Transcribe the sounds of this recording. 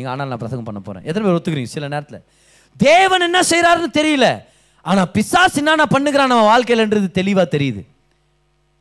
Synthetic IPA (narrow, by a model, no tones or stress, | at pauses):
iːɡɐa̰ːnaːlnaːp̬ɾɐsɐŋɡɐmpɐɳːɐpo̰ːɾḛ̃ːʔɛt̪ːɐnɐmeːɾɔt̪ːɯkːɯɾiːŋɡɐsɪlɐneːɾɐt̪ːɪlɐ̰ | d̪eːʋɐnɛnːasɛjɾaːɾɯnːɯt̪ɛɾɪjɐlɐ̰ | aːnaːpɪsaːsɪnːaːnaːpɐɳːɯk̬ɪɾãːnɐmːɐʋaːlkɐjɪlɛndɾɐðɯt̪ɛlɪʋaːt̪ɛɾɪjɐðɯ̰